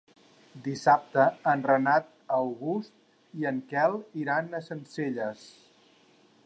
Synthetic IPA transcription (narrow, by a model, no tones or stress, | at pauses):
d̪isap̚t̪əːnrənat̪̚ | əwɣust̪̚ | iəŋkɛlˠiɾanəsənseʎəs